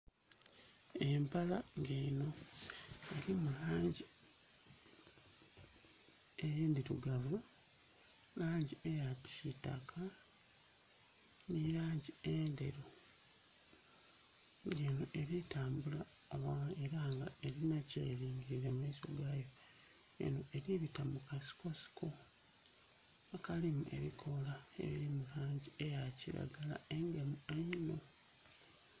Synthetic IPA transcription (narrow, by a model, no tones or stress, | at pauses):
e̞mpalaŋɡeːno̞ | e̞ɾimulaːɲɟi | e̞jiːnd̪iɾuɡavu | laːɲɟie̞jatiita̰kʰa | nijaːɲɟiende̞̰ɾo | jenoʔe̞ɾitaːmbula | oβaeɾaŋɡa̰e̞ɾinacḛːliːŋɡiɾiɾemiso̰ɡajo̞ | jḛno̞e̞ɾiβitamukasi̥ko̞si̥kʰo | akalimue̞̰ɾikʰo̞laḛβiɾimuɾaːɲɟie̞jaciɾa̰ɡala̰e̞ŋɡe̞mueino̞